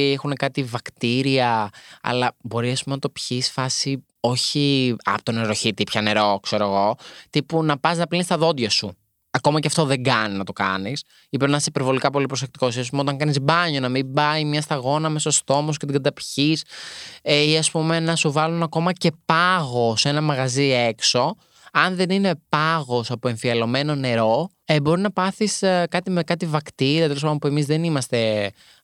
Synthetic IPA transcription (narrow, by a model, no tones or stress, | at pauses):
exune̞kɐt̪ivɐkt̪iɾiɐɐ̰lɐbo̞ɾiɐspumenɐt̪o̞pçisfɐsi | o̞çiɐ̰pot̪oneɾoçit̪ipçɐne̞ɾo̞kse̞ɾoeɣo̞t̪ipunɐpɐsnɐplinist̪ɐðo̞d̪ʝɐsu | ɐko̞mɐceɐft̪oðe̞ŋɡɐninɐt̪o̞kɐ̰nis | ipenɐsipe̞ɾvo̞likɐpo̞lipɾos̬ek̚t̪i̥kosiɐs̬umeo̞t̪ɐŋkɐnizbɐɲo̞nɐmimbɐimɲɐst̪ɐɣo̞nɐmeso̞st̪o̞moscet̪iɡɐd̪ɐpçis | iɐspume̞nɐsuvɐlunɐko̞mɐce̞pɐɣo̞se̞nɐmɐɣɐzie̞kso̞ | ɐnðe̞nine̞pɐɣo̞sɐpoe̞ɱfiɐlo̞me̞no̞ne̞ɾo̞ | ebo̞ɾinɐpɐθiskɐt̪imekɐt̪ivɐkt̪iɾiɐt̪elospɐopue̞mizðe̞nimɐst̪e̞